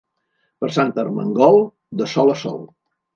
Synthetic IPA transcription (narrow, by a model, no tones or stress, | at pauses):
pəɾsant̪ərmə̰ŋɡɔlˠ | d̪əsɔləsɔ̰l